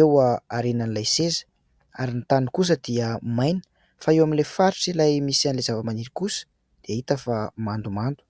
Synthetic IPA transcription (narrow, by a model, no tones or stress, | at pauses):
ewaaɾenanilajsezə̥ | aɾinit̪anukus̬əd̪iəmajnə̥ | faewamilefaɾiʈ͡ʂilajmisianilezavəmaniɾikusə̥ | d̪̥iait̪əfamand̪umand̪u̥